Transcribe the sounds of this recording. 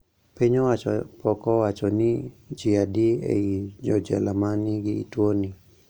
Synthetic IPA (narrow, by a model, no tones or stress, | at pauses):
piɲɔwaɔpɔkɔwat͡ʃɔnid͡ʒiadiḛid͡ʒɔd͡ʒɛ̰lamaniɡḭːtwoni